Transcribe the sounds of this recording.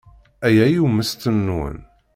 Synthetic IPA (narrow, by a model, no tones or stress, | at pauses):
æjæjumːəst̪ənːwə̰n